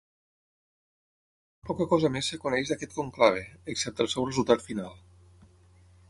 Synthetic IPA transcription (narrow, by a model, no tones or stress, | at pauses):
pɔkakɔzamesːekunɛʒðakɛt̪koŋklaβ̞eːksɛp̚t̪əlˠsɛwrezulˠt̪at̪finalˠ